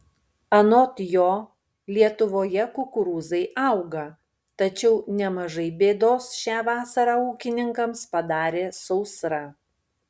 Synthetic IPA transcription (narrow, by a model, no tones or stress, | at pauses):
ɐnot̪joː | lʲiɛt̪ʊʋoːjɛkʊkʊɾuːzɐɪʔɑˑʊɡɐ | t̪ɐt͡ʃʲɛʊnʲɛmɐʒɐɪbʲeːd̪oːsʃʲæːʋɑːsɐɾɑːuːkʲɪnʲɪŋkɐmspɐd̪ɑːɾʲeːsɔʊsɾɑ